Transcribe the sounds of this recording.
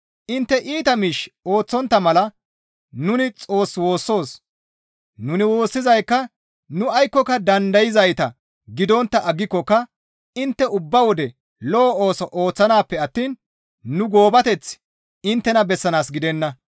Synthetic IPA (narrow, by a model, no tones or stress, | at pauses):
ʔɪnt̪ːɛʔiːt̪ɐmiʃo̞ːt͡sːɔnt̪ːɐmɐlɐ | nʊnɪt͡sʼo̞ːswo̞ːsːo̞ːs | nʊnɪwo̞ːsːɪzɐjkːɐ | nʊɐjkːɔkːɐd̪ɐnd̪ɐjɪzɐjt̪ɐ | ɡɪd̪ɔnt̪ːɐʔɐɡːɪkːɔkːɐ | ɪnt̪ːɛʊbːɐwɔd̪ɛ | lɔːo̞ːsɔʔoːt͡sːɐnaːpːɛɐt̪ːiːnː | ʊɡo̞ːbɐt̪ɛt͡s | ɪnt̪ːɛnɐbɛsːɐnaːsɡɪd̪ɛnːɐ